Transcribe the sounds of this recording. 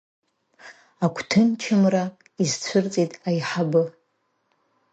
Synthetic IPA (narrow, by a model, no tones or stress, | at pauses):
akʷʰtʰɨnt͡ʃʰɪmra | izt͡ɕʷʰʊrt͡sʼitʼajħabɨ